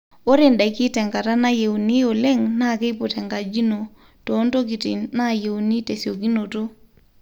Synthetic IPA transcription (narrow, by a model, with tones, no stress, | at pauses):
o˦ɾe˨nda˨jkɪ˦tɛ˨ŋɡa˨ta˦na˦je˨wu˨ni˦o˨le˦ŋna˦˨ke˦jpu˨tɛ˨ŋɡa˨d͡ʒi˦no˨ | to˨˦nto˦k̬i˨ti˨na˦˨je˨u˨ni˦te˨sjo˨ki˦no˨to˦